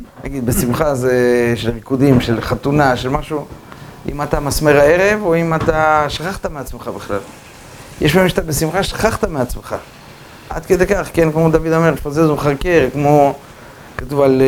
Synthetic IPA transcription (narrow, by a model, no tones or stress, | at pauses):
na̰ɡid̪besimχazeʃelʁikud̪imʃe̞lχat̪unaʃelmaʃuʔḭmat̪amasmeʁae̞ʁe̞voimat̪aʃḁχaχt̪ameat͡smeχabeχlal | jeʃpaimʃḁt̪abesimχaʃḁχaχt̪ameat͡smeχa | ʔa̰d̪ked̪ekaχkenkmo̞d̪avid̪ome̞ʁfazezumχaʁkeʁkmo̞ | katuval